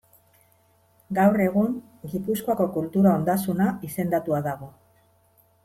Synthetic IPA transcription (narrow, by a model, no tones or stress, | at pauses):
ɡawre̞ɣ̞uŋ | ɡipuskoako̞kult̪uɾao̞nd̪asunaise̞nd̪at̪uaðaɣ̞o̞